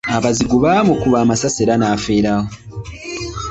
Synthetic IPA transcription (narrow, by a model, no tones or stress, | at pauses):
aβaziɡuβamukuβaːmasaseɾanafeɾaho